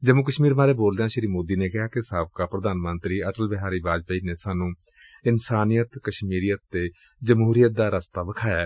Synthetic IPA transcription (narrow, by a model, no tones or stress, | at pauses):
d͡ʒəmoːk̬əʃmiːɾmaːɾeːboːld̪eãːʃɪɾiːmoːd̪iːneːkɪɦaːkɪsaːʋkaːpɾəd̪aːnmənt̪ɾiːəʈəlbɪɦaːɾiːbaːd͡ʒpəiːneːsaːnũː | ɪnsaːnijət̪kəʃmiːɾijət̪ːeː | d͡ʒəmɦuːɾijət̪̚d̪aːɾəst̪aːbəkʰaːjaː